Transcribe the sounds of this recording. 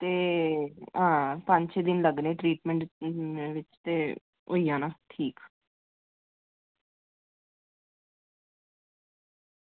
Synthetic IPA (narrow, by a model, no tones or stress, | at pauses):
t̪eː | ãːpə̃ɲt͡ʃed̪ɪnləɡnẽːʈɾiːʈmɛ̃ɳʈʋɪt͡ʃt̪eː | oːijãːnaːʈʰiːk